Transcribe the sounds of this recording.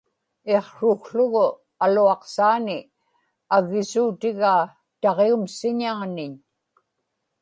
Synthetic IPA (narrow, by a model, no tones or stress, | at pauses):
e̞qʂʊkɬʊɣʊ | aluɑqsaːnɪ | aɣːɪsuːt̪ɪɣaː | t̪ɑʁeumsɪɲaːnɪɲ